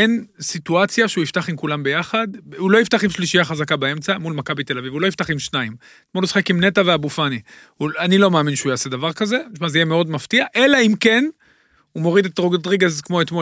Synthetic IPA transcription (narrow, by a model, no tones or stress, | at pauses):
ensituat͡sjaʃeuift̪aχimkulambe̞jaχadhulo̞ift̪aχimʃliʃijaχazakabae̞mt͡samulmakabit̪e̞lavivulo̞jift̪aχimʃnaim | tmolusi̥χekimne̞taveabufani | huanilo̞meaːminʃeujaːse̞d̪avaʁkaze̞ʃmazejeme̞o̞dmaftiaʔe̞laimke̞n | umo̞ʁid̪etʁoɡtdʁiɡazkmo̞et̪mo